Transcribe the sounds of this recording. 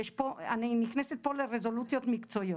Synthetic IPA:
jeʃpoaniniχneset̪̚po̞leʁezo̞lut͡sjo̞t̪mikt͡so̞io

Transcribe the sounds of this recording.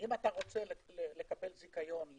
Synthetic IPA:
imataʁo̞t͡se̞llele̞kabe̞lzikajo̞n

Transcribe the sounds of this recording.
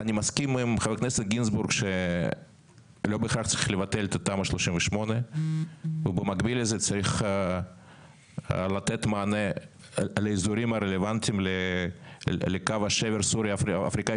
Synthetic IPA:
anʲimaskʲimimχevekneset̪ɡʲinzbuɾɡʃe | lo̞bχaχt͡saɾiχlevat̪elet̪at̪amaʃloʃimvəʃmone | vebemaɡbilezet͡saɾiχ | lat̪et̪maːne | leizuɾimaɾelevant̪ʲimle | lekavaʃeveɾsuɾiaa̰fɾika

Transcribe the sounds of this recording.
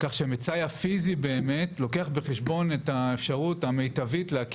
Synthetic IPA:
kaχʃemet͡sajafizibe̞ːmetlo̞ke̞aχbeχeʃbo̞ne̞taefʃaʁutame̞jtavitleak

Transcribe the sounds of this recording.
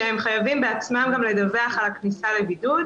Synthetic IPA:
ehemχajavimbeat͡smamɡamle̞d̪ave̞aχalaknisale̞bid̪ud̪

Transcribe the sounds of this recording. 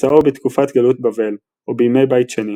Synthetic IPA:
aobet̪kufat̪ɡalut̚bave̞l | ʔobejime̞jbajtʃeni

